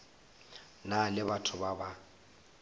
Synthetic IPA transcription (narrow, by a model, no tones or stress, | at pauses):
nalɪbatʰʊbaba